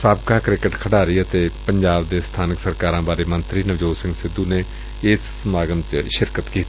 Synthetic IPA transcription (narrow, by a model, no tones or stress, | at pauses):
saːbkaːkɾɪkəʈkʰəɽaːɾəiːət̪eːpəɲd͡ʒaːbd̪eːst̪ʰaːnɪksəɾkaːɾãːbaːɾeːmənt̪ɾiːnəʋd͡ʒoːsɪ̃ŋɡsɪd̪uːneː | ɪsːmaːɡənt͡ʃʃɪɾkət̪kiːt̪ː